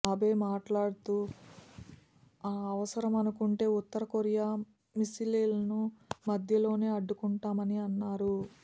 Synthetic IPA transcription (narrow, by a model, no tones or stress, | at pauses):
ɐbe̞ːmaːʈlaːɽut̪u | aːɐʋɐsɐɾɐmɐnukuɳʈe̞ːut̪ːɐɾɐkoɾijaː | misiliːlɐnumɐd̪ʱjɐlo̞ːne̞ːɐɖːukuɳʈaːmɐniɐnːaːɾu